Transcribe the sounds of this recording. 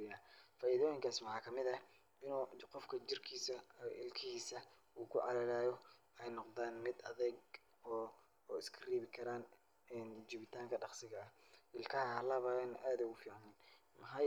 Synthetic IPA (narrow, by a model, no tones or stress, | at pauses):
ɪjaːfaːʔiðɔːjɪŋkʰaːswɑħɑːkʰɐmɪðɐ | ɪnuːqɔfkʰɐt͡ʃɪrkʰiːsɐʔɪlkʰɪhiːsɐ | uːkʰʊʕɑ̰lɐlaːjɔ | ɛjnɔqðaːnmɪd̪ɐðɛɡ | ɔː | ɪskʰɐriːβɪkʰɐɾaːn | ɛnt͡ʃiβɪt̪ʰaːŋkʰɐɖɑχsɪɣɐɐʔɪlkʰɐhɐɐlɐβɐnʔaːd̪ʊɣʊfiːʕnɛnmɐħɑj